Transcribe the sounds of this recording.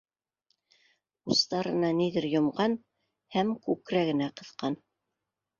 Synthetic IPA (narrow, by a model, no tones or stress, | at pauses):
ust̪ɑɾɤ̆nɑniðɘɾjŏmɢɑn | hæmkʉkɾæɡɘ̆næqɤ̆ðqɑn